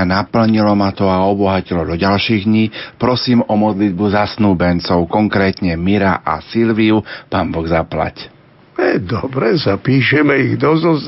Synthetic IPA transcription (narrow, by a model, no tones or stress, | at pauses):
napl̩ɲilɔmat̪ɔaɔbɔɦacilɔd̪ɔɟalʃiːɣd̪ɲiːpɾɔsiːmɔmɔd̪lid̪̚buzasnuːbɛnt͡sɔʊkɔŋkɾɛːt̪ɲɛmiɾaʔa̰silʋiupaːnbɔɡzapla̰c | ɛd̪ɔbɾɛsapiːʃɛmɛiɣd̪ɔzɔz